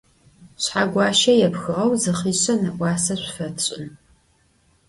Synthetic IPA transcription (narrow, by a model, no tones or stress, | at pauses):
ɕħaɡʷɑːʃɐjɛpxɨʁɐwzɨχiːɕɐnɐʔʷɑːsɐɕʷfɐtʰɕʼɪn